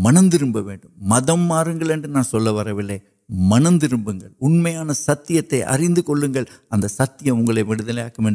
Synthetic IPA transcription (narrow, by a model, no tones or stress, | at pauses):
mɐnɐnd̪ɪɾɯmbɐʋḛːɳɖɯmːɐðɐmːaːɾɯŋɡɐɭɛndrɯnaːnsɔlːɐʋɐɾɐʋɪlːɐɪ | mɐnɐnd̪ɪɾɯmbɯŋɡɐɭʊnmɐjaːnɐsɐt̪ːɪjɐt̪ːɐɪʔɐ̰rɪnd̪ɯkɔɭːɯŋɡɐɭɐnd̪ɐsɐt̪ːɪjɐʊŋɡɐɭɐɪʋɪɽɯðɐlɐja̰ːkːɐmeːɳɖ